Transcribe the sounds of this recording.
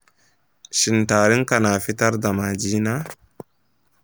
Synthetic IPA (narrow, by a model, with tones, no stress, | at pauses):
ʃi˨nta˨ɾi˦ŋka˨na˨fi˦ta˦ɾda˨ma˨d͡ʒi˦na˦